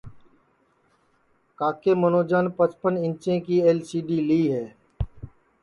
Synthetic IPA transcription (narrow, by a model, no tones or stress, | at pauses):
kaːkemənoːd͡ʒaːnpət͡ʃpənɪ̃nt͡ʃẽkieːlsiːɖiliːɦɛː